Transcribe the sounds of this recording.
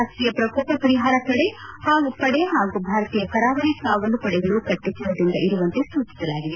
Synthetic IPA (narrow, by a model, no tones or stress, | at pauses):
asʈɾiːjɐpɾɐkoːpɐpɐɾiɦaːɾɐkɐɽehaːɡupɐɽeɦaːɡubʱaːɾɐt̪iːjɐpɐɾaːʋɐnikaːɡoldupɐɽɛɡɐɭukɐʈːet͡ʃɐʋɐd̪ind̪ɐʔiɾuʋɐnt̪esuːt͡ʃi̥sɐlaːɡid̪e